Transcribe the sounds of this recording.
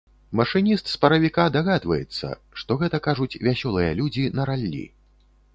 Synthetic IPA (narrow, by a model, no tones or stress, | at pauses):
mɐʂɨnʲist̪spɐɾɐvʲikad̪aɣad̪vɐ̰jɛt̪sːɐ̰ʂt̪ɔɣɛt̪ɐkaʐut͡sʲvʲasʲɔlˠɨjɐlʲud͡zʲinɐɾalʲːḭ